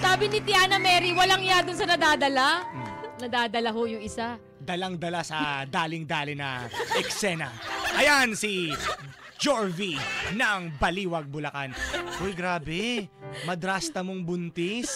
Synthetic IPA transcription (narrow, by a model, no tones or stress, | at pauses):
saːbɪnɪt̪ɪaːnɐmɛɾiwɐlaŋɪjad̪ʊnsɐnɐd̪aːd̪ɐlanɐd̪aːd̪ɐlaɦojʊŋɪsa | d̪ɐlaŋd̪ɐlasɐd̪aːlɪŋd̪aːlɪnɐ̰ʔɛksɛnɐ̰ʔɐjansi | d͡ʒoɹvinɐŋbɐliːwɐɡ̚bʊlɐkanʔojɡɾaːbɛmɐd̪ɾast̪ɐmoŋbʊnt̪ɪs